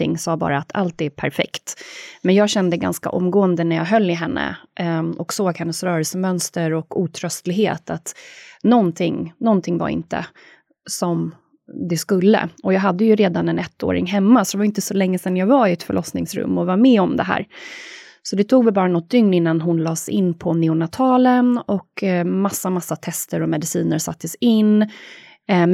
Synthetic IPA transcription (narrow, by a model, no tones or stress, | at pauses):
ɪ̰ŋːsɑːbɑ̰ːɾaːt̪ʰa̰lt̪̚ːɛːpʰæɾfɛ̰kt̪mɛnjɑːɡɕɛnd̪əɡa̰nska̰ʔɔmːɡoːənd̪ənæɾjɑ̰ɦœlːɪɦɛnːə̰ʔɔksoːɡhɛnːəsɾœːɾɛlsəmœnst̪əɾɔkuːt̪ʰɾœst̪lɪɡɦḛːt̪ʰat̪nɔnt̪ʰɪŋnɔnt̪ʰɪŋva̰ɾɪ̰nt̪ə̰ | sɔm | d̪ɛskɵlːə̰ɔjɑːɡɦad̪ːəjɵɾeːd̪anɛnɛt̪ːo̰ːɾɪ̰ŋɦɛmːasɔd̪ɛvajʏɪnt̪əsɔlɛŋːəsɛnjɑːɡvaɾɪɛt̪fœ̰ɭʔɔsnɪ̰ŋsɾɵ̰mːɔvaɾmɛːɔmd̪ɛ̰ɦæ̰ːɾ | sɔd̪ɛt̪ʰuːɡvɛɪbɑːɾanɔt̪̚d̪ʏŋnɪnːanɦʊnlɑːsɪ̰nːpʰɔnɛʊnat̪ʰɑːlənɔkmasːamasːat̪ʰɛst̪əɾɔmɛd̪ɪsiːnəɾsa̰t̪ːəsɪnː